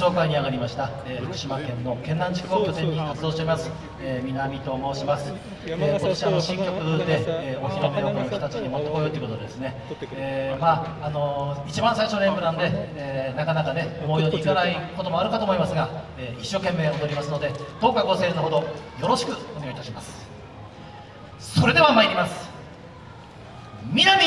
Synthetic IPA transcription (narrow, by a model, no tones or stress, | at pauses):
o̞ːkaiɲ̟iaɡaɾʲimaɕi̥t̪aeːɸɯ̟kɯ̟ɕimakẽ̞nːo̞kẽ̞nːãɲ̟d͡ʑikɯo̞kʲo̞t̪ẽ̞ɲ̟ːikat͡sɨd̪o̞ːɕteɾimasɨ̥ | eːmʲinamʲit̪o̞ːmo̞ːɕimasɨ̥ | eːko̞t̪oɕiano̞ɕĩŋkʲo̞kɯ̟d̪e̞eːoçʲiɾomeokonokʲo̥t̪at͡ɕiɲimo̞t̪ːokojot̪oiɯkood̪ed̪e̞sɨne̞ | eːmaː | no̞it͡ɕibãɰ̃saiɕo̞ːnẽ̞mbɯ̟nãnd̪e̞eːnakanakane̞omo̞ijoːɲʲiːɡaɾaiko̞t̪o̞mo̞aɾɯ̟kat̪o̞ːmoimasɨɡaeːiɕːo̞ːke̞mːe̞ːod̪o̞ɾʲimasɨno̞d̪e̞t̪o̞ːkaɡo̞se̞ːnoɦo̞d̪o̞jo̞ɾo̞ɕi̥kɯ̟o̞ne̞ɡait̪aɕimasɨ̥ | so̞ɾe̞d̪e̞βamaiɾʲimasɨ̥ | mʲinamʲi